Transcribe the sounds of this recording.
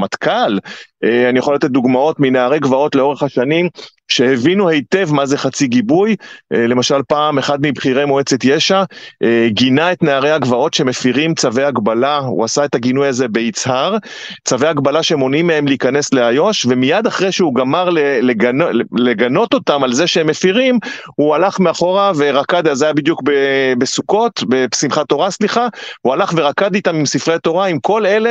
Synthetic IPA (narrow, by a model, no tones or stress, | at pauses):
mat̪kaleanijaχoljat̪et̚duɡmao̞t̪mineaʁeɡvao̞tleo̞ʁe̞χhaʃanim | ʃe̞hevinuhe̞jte̞vmaze̞χat͡siɡibujle̞maʃalpaːme̞χad̪mibχiʁe̞moet͡setjeʃa | ɡinae̞tneaʁe̞jaɡvao̞tʃe̞me̞fiʁimt͡savejaɡbalaṵasaetaɡinujazebe̞it͡shaʁ | t͡savejaɡbalaʃeemo̞nimee̞mliːkane̞sleajo̞ʃve̞mijad̪aχʁejʃeuɡamaʁleleɡanleɡano̞t̪o̞tamalze̞ʃeemːefiʁim | hualaχmeaχo̞ʁave̞ʁakad̪azajabid̪jukbebesuko̞t̪besimχato̞ʁasliχaualaχve̞ʁakad̪it̪amimsifʁet̪o̞ʁaimko̞lele